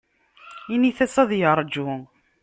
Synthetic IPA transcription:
iniθæsæðjəɾˤd͡ʒu

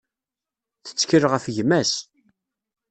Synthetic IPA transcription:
θə̥t͡sːə̥kəɾʁəfʝmæs

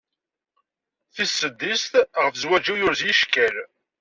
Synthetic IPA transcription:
θisːəd̪ːist̪ʁəfəzwæd͡ʒijʊɾzjiʃkæl

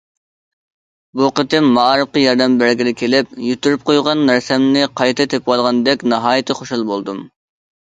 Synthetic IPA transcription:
buqət̪ɪmːɑɾɨp̚qɑjɑɾd̪ɛmbæɾɡʲilɪkʲʰelɪp̚jyt̪ːyɾyp̚qʰojʁɑnːæɾsɛmnɪqʰɑjt̪ʰɨt̪ʰep̚qɑlˠʁɑnd̪ɛkʲnɑɦɑːjɪt̪ʰɨχoʃulˠbolˠd̪um

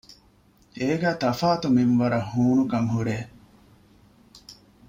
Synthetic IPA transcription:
eːɡæːt̪ɐfaːt̪uminʋɐɾɐhuːnukɐŋɦuɾeː

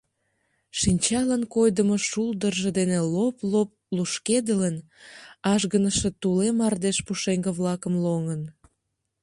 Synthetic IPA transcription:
ʃinʲt͡ɕɑlənkojd̪əmoʃuld̪ərʒĕd̪eneloplop̚luʃked̪ələn | ɑʒɣənəʃet̪ulemɑrd̪eʃpuʃeŋɡəβlɑkəmloŋən

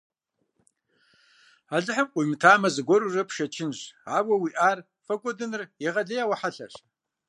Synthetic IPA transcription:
aɮɨħəmqʷʼʊjmɨtʰaːmɐzɨɡʷɔɾurɐpʰʃɐt͡ʃʰɪnʒaːwʷɐwiːʔaːr | fɐkʷʼɔdɨnɨrjɛʁɐɮɐjawɐħaɬɐ̰ɕ

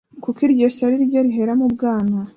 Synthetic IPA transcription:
kukiɾɟeʃaɾiɾɟoɾiɦe̞ɾamubɡaːna

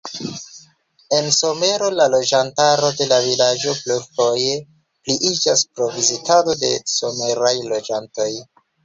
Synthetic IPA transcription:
e̞nso̞me̞ɾo̞lalo̞d͡ʒantaɾo̞de̞lavilad͡ʒo̞plufo̞je̞ | pliʔid͡ʒaspɾo̞vizitado̞de̞so̞me̞ɾajlo̞d͡ʒanto̞j

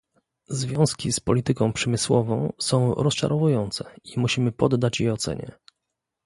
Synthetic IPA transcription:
zvʲjɔ̃w̃skʲispɔlʲit̪ɘkɔ̃w̃pʂɛmɘswɔvɔ̃w̃sɔ̃w̃ɾɔst͡ʂa̰ɾʔɔvujɔnt̪sɛimuɕimɘpɔd̪ːat͡ɕjɛɔt̪sɛ̰ɲɛ̰

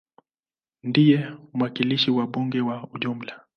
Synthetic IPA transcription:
ndijɛm̩wakiliʃiwaɓuŋɡɛwauʄum̩la

